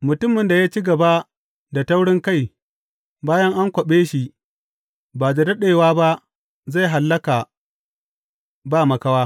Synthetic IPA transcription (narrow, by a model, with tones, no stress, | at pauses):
mʊ˨tʊ˦mːɪ˨nda˨jaː˦t͡ʃi˦ɡɐ˨ba˦ | da˨ta˦wɽɪ˦ŋka˦˨j | baː˦jɐ˦ŋʔa˦ŋkʷɔ˨ɓeː˦ʃi˨ | baː˨da˨dɐ˦ɗeː˨waː˦ba˦ʔ | za˦˨jɦa˨lːɐ˦ka˨ | baː˦˨mɐ˨ka˦waː˦